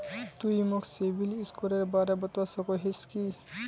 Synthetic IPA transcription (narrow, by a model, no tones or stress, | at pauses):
t̪uimɔksebʱiliskuɾeɾbaɾebɔt̪wasɔkɔɦeski